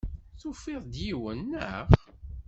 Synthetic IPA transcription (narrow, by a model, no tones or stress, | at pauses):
θufɪðˤd̪jiwənːə̰ʁ